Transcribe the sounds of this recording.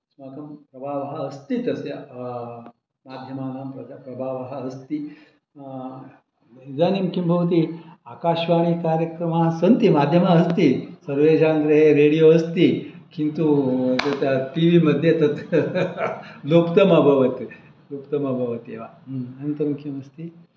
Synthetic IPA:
smakɐmpɾɐbʱaːʋɦɐɐst̪it̪ɐsja | mad̪ʱjɐmaːɡampɾɐd̪apɾɐbʱaːʋɦɐɐst̪i | id͡zaːnimukʰimbʱɐʋt̪̬iaːkaːʃʋaːɽ̃ikaːɾjɐkɾɐmaɦsɐnt̪imad̪ʱjɐmaɐst̪isɐɾʋed͡ʒʱaːnd̪ɾɐɦeɾeɽijoɐst̪i | kint̪ut̪ɐt̪jaʈiʋimɐd̪ʱːjet̪ɐt̪ | lopt̪ɐmabʱɐʋət̪i | lop̚t̪ɐmabʱɐʋət̪eʋaɐnt̪ɐmukʰimɐst̪i

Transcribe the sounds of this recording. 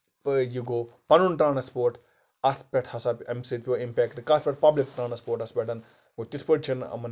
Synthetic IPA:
juɡoːpɐnunʈɾãːnɐspoːɾʈ | ɐt̪ʰpʲɐʈʰhɐsaːpʲɐmsit̪pʲiʋɐimpʲɛːkʈkat̪ʰpʲɛʈ̚pɐblikʈɾaːnɐspoːɾʈɐspʲɐʈɐn | ɡot̪it̪ʰpəʈ̚t͡ʃʰinɐ̰mɐn

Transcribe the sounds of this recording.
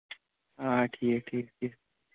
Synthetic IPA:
aːʈʰiːkʈʰiːk̚ʈʰiːk̚

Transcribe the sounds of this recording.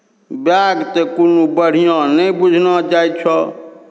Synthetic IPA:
bjaɡt̪ekunubəɽ̤ijɔ̃nəbud͡ʒʱnɔd͡ʒajt͡ʃʰɔ

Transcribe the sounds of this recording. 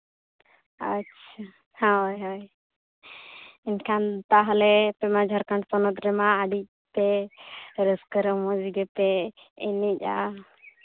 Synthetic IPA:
ətːʃʰa | hajɦaj | inkʰant̪aɦlɛpɛmad͡ʒʱaɾkaɳʈpɔnɔt̪ɾɛmaːɖi | pɛ | ɾəskəɾəmɔd͡ʒiɡɛp̪ɛ | ɛnica

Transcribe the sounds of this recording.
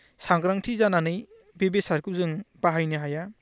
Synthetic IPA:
saŋɡɾaŋtʰizananɯj | bebesaɾkɯzɯŋbaɦajnɯɦaja

